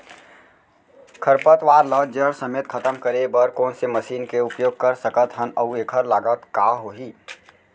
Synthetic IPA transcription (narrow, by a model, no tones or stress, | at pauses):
kʰəɾpət̪ʋaːɾləd͡ʒəɽsəmeːt̪̚kʰət̪əmkəɾebəɾkoːnseməsiːnkeʊpjoːɡ̚kəɾsəkət̪ɦənəeːkʰəɾlaːɡət̪kaɦoɦiː